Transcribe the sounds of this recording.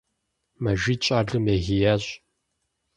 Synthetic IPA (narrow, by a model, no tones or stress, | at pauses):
mɐʒʷiːt͡ʃʼaːɮɨmjeɣijaːɕʼ